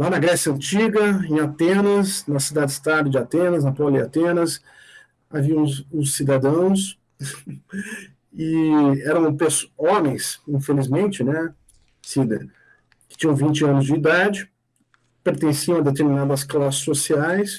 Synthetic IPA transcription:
lanɐɡɾɛsjɐɐ̃nt͡ʃiɡɐẽj̃at̪ẽnɐsnɐsid̪ad͡ʒɪst̪ad̪ʊd͡ʒɪat̪ẽnɐznɐpɔlɪa̰t̪ẽnɐs | aviɐ̃ʊsid̪ad̪ɐ̃w̃s | ɪɛɾɐ̃w̃pesõmẽj̃sĩfelizmẽnt͡ʃɪnɛ | sid̪ɐ | kɪ̥t͡ʃĩɲɐ̃w̃vĩnt͡ʃɪɐ̃nʊzd͡ʒɪːd̪ad͡ʒɪ | peɾt̪ẽsiɐ̃ɐd̪et̪eɾminad̪ɐsklasɪ̥sosiajs

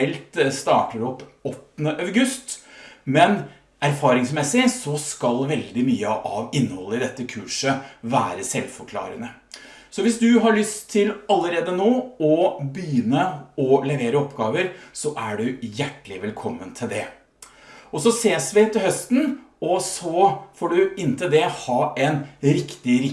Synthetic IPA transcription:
ɛlt̪st̪ɑ̰ːʈəɖʉɔp | ɔt̪nəʔɑʉɡʉst̪mɛn | æɾfɑːɾɪŋsmɛsɪsɔskɑlʋɛld̪ɪmyːəʔɑ̰ʋɪnːəhɔlːəɪd̪ɛt̪ːəkʰʉːʂəʋæːɾəsɛlfɔɾkʰlɑ̰ːɾə̰nə | sɔʋɪsd̪ʉɦɑɭʏst̪ʰːɪlɑlːəɾeːd̪ənoːɔbəjʏnəɔlɛʋeːɾəɔpɡɑːʋəɾsɔʔæɖʉjæʈːəlɪʋɛlkʰɔmːənt̪ʰɪld̪ɛ | ɔsɔseːsʋɪt̪ʰɪlhœst̪n̩ɔsɔfoːɖʉɪnːt̪ʰəd̪ɛhɑːɛnɾɪkt̪ɪɾɪ

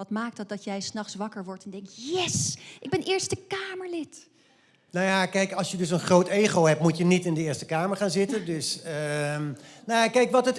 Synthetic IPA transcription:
ɑtmaːk̚tɑt̚dɑtjɛjsnɑχsʋɑkəɹʋɔɹtɛndɛŋktjɛsʔɪɡ̚bɛnʔɪːɹstəkaːməɹlɪt | nojakɛjkɑlˠsjədøs̬ənχrowteːɣowɦɛp̚mutjənitɪndəɪːəstəkaːməɹχaːnzɪtədøsə | nojakɛjkʋɔtət

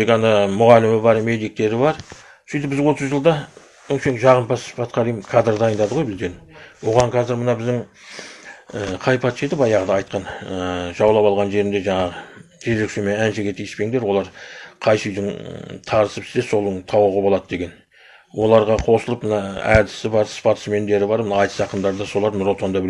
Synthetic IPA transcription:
ekɑnɑmʊʁɑlɪmɪbɑɾme̞d̪ijk̚t̪e̞ɾɪβɑɾ | sʏjt̪ɪpbɪzwo̞t̪əzʒəlˠd̪ɑ | ʏŋʃeŋkʒɑʁəmpʰɑspʰɑt̪qʰɑɾimkʰɑd̪rd̪ɑjənd̪ɑd̪əʁojbɪzd̪e̞nwo̞ʁɑɴqʰɑzɪɾmənɑbɪzd̪ɪŋ | əqʰɑjpʰɑt̪ʃe̞t̪ɪpɑjɑʁəd̪ɑːɑjt̪̚qɑnəʒ̥ɑwlˠɑpɑlˠʁɑnʒe̞ɾɪnd̪e̞ʒɑɴɑʁə | ʒʰeɾe̞kʃe̞me̞nænʃeɡʲe̞t̪ʰijɪspe̞ɪŋd̪e̞ɾwo̞lˠɑɾqʰɑjʃijd̪ɪŋt̪ʰɑɾəsəpɪ̥sd̪eso̞lˠəɴt̪ʰɑwəʁəbolˠɑd̪əd̪e̞ɡʲe̞n | wʔo̞lˠɑɾʁɑqʰo̞səlˠəpmənɑæd̪ɪsɪbɑɾspʰɑt̪ə̥sme̞nd̪e̞ɾɪbɑɾmənɑɑjt̪ə̥sɑqənd̪ɑɾd̪ɑso̞lˠɑɾnʊɾot̪ʰond̪ɑbɪle

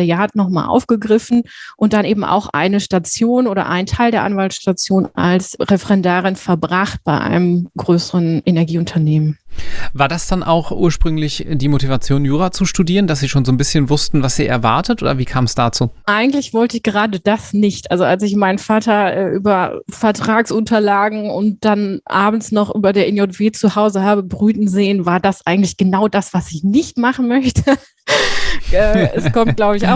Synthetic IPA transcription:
ɛjaːatnɔχma̰ːlʔa̰ʊfɡ̥əɡʁɪfn̩ʔʊnt̚d̥anʔeːbm̩ʔa̰ʊxʔa̰ɪnəʃtat͡sjoːnʔoːɾɐ̰ʔa̰ɪntʰaɪldeːɐʔanvaltʃtat͡sjoːnʔa̰lsʁɛfɛʁɛndaːʁɪnfɛɐbʁaχt̚b̥aɪʔa̰ɪnəmɡʁøːsəʁənʔenɛɐɡiːʊntʰɐneːmənvaːɐdasd̥anʔa̰ʊxʔuːɐʃpʁ̥ʏŋlɪçd̥iːmotivat͡sjoːnjuːʁat͡suʃtudiːʁəndas̬z̥iːʃoːnzoːnbɪsçənvʊstn̩vasz̥iːʔɛɐva̰ɐtətʔo̰ːdɐviːkʰaːmsd̥aːt͡suːʔaɪɡŋ̩tlɪçv̥ɔltəɪçɡ̥əʁaːdəd̥asnɪçtʔalzoʔalsɪçmaɪnənfaːtɐʔɛːʔyːbɐfɛɐtʁ̥aːksʔʊntʰɐlaːɡŋ̩ʊnt̚d̥anʔa̰ːbm̩snɔχʔy̰ːbɐdeːɐɪnjɔtv̥eːt͡suhaʊzəhaːbəbʁyːtn̩zeːənvaːɐdasʔa̰ɪɡŋ̩tlɪçɡ̥ənaʊdasv̥asɪçnɪçtmaχn̩mœçtʰə | ʔɛːɛsskʰɔmt̚ɡ̥laʊbəɪça̰ʊ

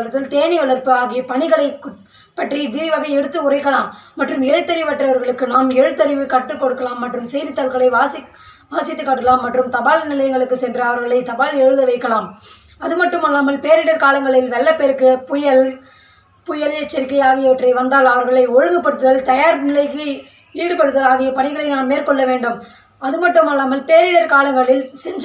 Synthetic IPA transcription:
ɐt̪ːɪlt̪eːnɪʋɐɭɐɾpɯaːɣipɐɳɪɣɐɭɐɪk | pːɐʈriʋɪɾiʋɐɣɐɪɛɽɯt̪ːɯʊrɐɪkːɐlaːmːɐʈrɯmɛɻɯt̪ːɐɾɪʋpɐʈːrɐʋɐɾɣɐɭɯkːɯnaːmɛɻɯt̪ːɐɾɪʋɯkɐʈːrɯkːɔɽɯkːɐlaːmːɐʈrɯmsɛjðɯt̪ːɐlɣɐɭɐɪʋaːs | ʋaːsɪt̪ːɯkːɐʈːɐlaːmːɐʈrɯmt̪ɐbaːlnɪlɐjɐŋɡɐɭɯkːɯsɛndrɐɐʋɐɾɣɐɭɐɪt̪ɐbaːlɛɻɯðɐʋɐɪkːɐlaːm | ɐðɯmɐʈːɯmaːlːaːmɐlpeːɾɪɽɐɾkaːlɐŋɡɐɭɪlʋɛɭːɐpeːɾɯkːɯpʊjɐl | pʊjɐlɛt͡ʃːɐɾɪk̬ːɐɪaːɣɪjɐʋɐʈrɐɪʋɐnd̪aːlɐʋɐɾɣɐɭɐɪɔɻɯŋɡɐpːɐɽɯt̪ːɯðɐlt̪ɐjaːɾnɪlɐɪkːɯ | iːɽɯpɐɽɯðɐlaːɣɪjɐpɐɳɪɣɐɭɐɪnaːnmeːɾkɔɭːɐʋeːɳɖɯm | ɐðɯmɐʈːɯmaːlːaːmɐlpeːɾɪɽɐɾkaːlɐŋɡɐɭɪlsɛɲd͡ʒ

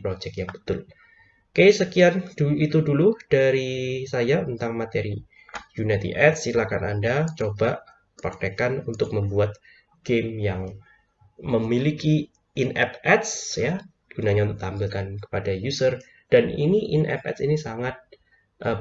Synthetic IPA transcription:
pɾod͡ʒɛk̚jaŋbə̥t̪ʊl | kesəkiand̥uit̪udulud̥aɾisajaunt̪aŋmat̪eɾi | junat̪ḭʔɛt̪̚silakana̰ndat͡ʃobaʔ | pərdekanunt̪ʊk̚məmbuat̪̚ | ɡ̥emjaŋ | məmiliki | inɛp̚ɛt̪sja | ɡ̥unaɲaunt̪ʊk̚t̪ambɪlkankə̥padajusər | d̥anḭniʔinʔɛ̰p̚ɛ̰t̪sinisaŋat̪̚ | ʔə

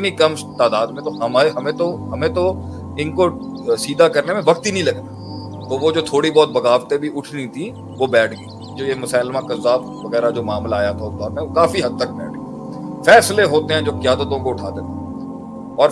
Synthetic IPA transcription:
ɪt̪nikɐm | t̪aːd̪aːd̪mẽt̪oɦɐmaːeɦɐmẽt̪oɦɐmẽt̪o | ɪnkosiːd̪ʱakɐɾnemẽʋɐkt̪inəĩlɐɡt̪a | t̪oʋod͡ʒoːt̪ʰoːɽibɔːt̪̚bɐɡaːʋt̪ebʱiʔʊʈʰnĩt̪ʰĩ | ʋobɛːʈʰɡɐi | d͡ʒoːjemʊsaːlmãkɐzːaːb | ʋɐɣɛːɾad͡ʒoːmaːmlaaːjat̪ʰaʊsd̪ɔːɾmẽokaːfiɦɐd̪̚t̪ək̚bɛ̰ːʈ̚ʰi | fɛːsleɦoːt̪eɦɛ̃d͡ʒoːkjaːd̪ət̪õkoʊʈʰaːd̪eːt̪e | ɔːɾ

